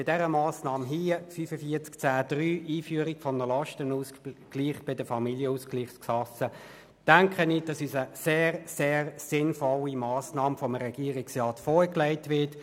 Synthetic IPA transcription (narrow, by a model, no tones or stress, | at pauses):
bɪdɛʁəmɑːsnɑːmɦiːfyːfəfiɐt͡skt͡sæːd̥ʁyːʔiːfyːəɾiɡfɔnəlɑʃtənuːsɡ̥liːχb̥ɪdəfɑmiljəuːskliːχt͡sksɑsə | d̥æŋkχənid̥ɑsyːsəseːʁseːʁsɪnfɔlimɑːsnɑːmfɔmɾɛɡ̥iːəʁɪksʁɑːtfɔːɹklæɪtʋɪɐt